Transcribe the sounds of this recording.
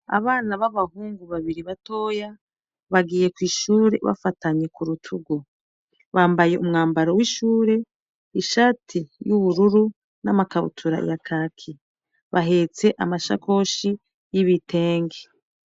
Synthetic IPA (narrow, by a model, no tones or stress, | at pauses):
a̰βaːnaβaβahuːŋɡuβaβiɾiβato̞ːja | βaɡiːje̞kwiːʃuːɾe̞̰βa̰fataɲe̞kuɾutʰuɡo | βaːmbaje̞ʔumŋaːmbaɾowiːʃuːɾe̞ | iʃaːtʰijuβuɾuɾu | namakaβṵtʰuɾa̰jakʰakʰi | βaɦet͡se̞ʔamaʃa̰kʰo̞ːʃi | jiβite̞ːŋɡe